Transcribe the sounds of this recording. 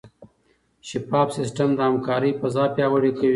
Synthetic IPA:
ʃɪpɑbsɪsʈamd̪əhamkɑːɾəjpəzɑpjɑwəɽekawi

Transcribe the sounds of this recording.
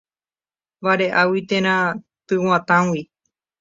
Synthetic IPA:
baɾeʔawit̪ẽɾ̃ã | t̪ɨwãt̪ãwi

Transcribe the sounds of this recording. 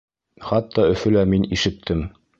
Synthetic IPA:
χɑt̪ʰːɑɵ̆fɵ̆læminiʃɘ̆k̚t̪ʰɘm

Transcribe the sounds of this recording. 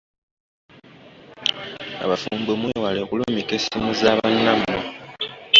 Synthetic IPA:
a̰βafuːmbomwewalekulomikesinozaːβanːamːo

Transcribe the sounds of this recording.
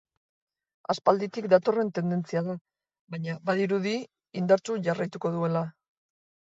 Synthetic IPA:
aspald̪it̪ikd̪at̪o̞re̞nt̪e̞nd̪e̞nt͡siaða | βajɲaβaðiɾuði | ind̪aɾt͡ʃuʝarajt̪uko̞ðue̞la

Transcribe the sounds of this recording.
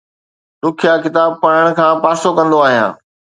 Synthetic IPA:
d̪ʊkʰjakɪt̪aːb̚pɐɽəɽ̃ʊ̆kʰãːpaːsokɐ̃nd̪oaːɦijã̰ː

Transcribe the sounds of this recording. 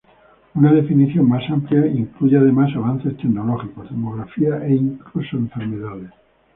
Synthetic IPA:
unað̞e̞finiθjo̞ŋmasampljaiŋkluʝeaðe̞masaβan̟θe̞st̪ekno̞lo̞xiko̞zðemo̞ɣɾafiaʔeiŋklusoẽɱfeɾmeðaðe

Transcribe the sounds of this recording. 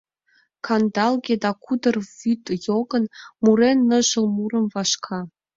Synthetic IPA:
kʰɑnd̪ɑlˠɡʲed̪ɑkud̪ɤ̆rvyt̪joɡɤ̆nmuɾenːɤ̆ʒə̆lˠmuɾə̆mvɑʃkʰɑ

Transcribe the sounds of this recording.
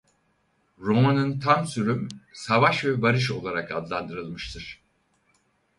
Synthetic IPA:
ɾo̞manɯnt̪ʰamsyɾymsavaʃvɛbaɾɯʃ̬o̞lˠaɾakad̪lˠand̪ɯɾɯlˠmɯʃt̪ʰɯɾ̥

